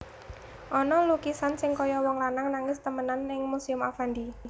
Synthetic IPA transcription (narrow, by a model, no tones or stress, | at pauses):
ʔɔnɔlukisansɪŋkɔjɔwɔŋlanaŋnaŋɪst̪əmənanːɪŋmusiʊmafand̪i